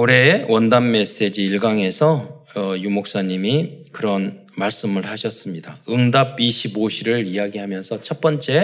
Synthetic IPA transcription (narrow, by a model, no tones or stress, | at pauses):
uɾe̞wʌndamːe̞s͈e̞d͡ʑiːɭɡaŋe̞sʰʌʌjumok̚s͈aɲimikɯɾʌn | maɭs͈ɯmɯɭhaɕʰʌs͈ɯmɲidaɯŋdab̚iɕʰiboɕʰiɾɯɭijaɡiɦamjʌnsʰʌt͡ɕʰʌt̚p͈ʌnt͡ɕ͈e̞